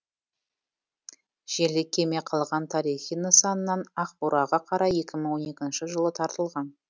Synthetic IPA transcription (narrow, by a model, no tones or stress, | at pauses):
ʒ̥e̞lɪkʲʰːe̞me̞qʰɑlˠʁɑnt̪ʰɑɾijχijnəsɑnənːɑnɑqbuɾʔɑʁɑqʰɑɾɑje̞kʲɪməɴwo̞ne̞kʲɪnʃɪʒəlˠət̪ʰɑɾt̪əlˠʁɑn